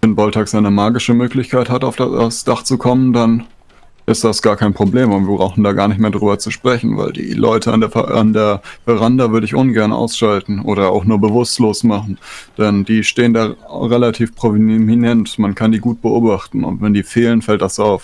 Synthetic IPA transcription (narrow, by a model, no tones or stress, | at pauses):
vɛnbɔltʰaksʔaɪnəmaːɡɪʃəmøːklɪçkʰaɪthataʊfd̥aa̰sd̥aχt͡sukʰɔməndan | ʔɪstd̥asɡ̥aːɐkʰaɪnpʁ̥obleːmʊntviːɐbʁaʊxn̩daːɡaːɐnɪçtmeːɐdʁyːbɐt͡suʃpʁ̥ɛçn̩va̰ɪldḭːlʔɔ̰ʏtʰəa̰a̰ndeːɐfɛʁandavʏɐɾəɪçʔʊnɡɛɐnʔa̰ʊsʃaltn̩ʔo̰ːɾɐa̰ʊxnuːɐbəvʊstloːsmaχn̩d̥ɛndiːʃteːəndaːʁelatʰiːfpʁ̥ovminɛntmankʰandiːɡuːt̚b̥əʔoːbaχtn̩ʊ̰ntv̥ɛndiːfeːlənfɛltd̥asaʊf